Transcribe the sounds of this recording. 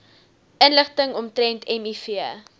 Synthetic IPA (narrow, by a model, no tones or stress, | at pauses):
ənləχtəŋɔmtɾɛntɛmifiə